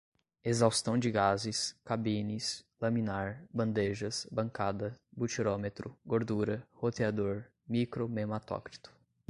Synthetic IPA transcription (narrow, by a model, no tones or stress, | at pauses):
ezawst̪ɐ̃w̃d͡ʒɪɡazɪskabĩnislɐmĩnaɾbɐ̃nd̪eʒɐsbɐ̃ŋkad̪ɐbut͡ʃiɾomet̪ɾʊɡoɾd̪uɾɐhot̪ead̪oɾ | mikɾomemat̪ɔ̰kɾi̥t̪ʊ̥